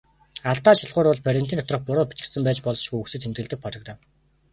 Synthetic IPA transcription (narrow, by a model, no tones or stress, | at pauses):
aɮt̪aːʃaɮʁʊːɾʊɮpʰæɾʲɪ̆m̥t̪iːnʰɔ̥t̪rɞ̆χpʊɾʊːpi̥t͡ɕɪ̆sɘ̆mpæːt͡ɕpɔɮ̆ʃɪ̥̆xuuksɘ̆t̪xʰemt̪̚ɡɘ̆ɮt̪ɘ̆k̚pɔrɞ̆kt̪ă